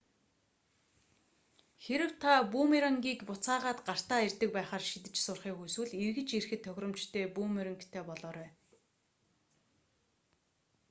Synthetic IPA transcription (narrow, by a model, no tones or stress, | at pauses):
xeɾɘ̆w̥t̪ʰapuːmeɾə̆ŋɡʲiːkpʊt͡saːʁaːt̪ɢar̥t̪aːert̪ɘ̆k̚pæːχaːrʃit̪̬ɘ̆t͡ɕsʊrχiːxujswɘ̆ɮirɣɘ̆t͡ɕirxɘ̆t̪ʰːœxʲrɞ̆mt͡ɕt̪ʰeːpuːmeɾə̆ŋkt̪ʰeːpɔɮɔːɾæː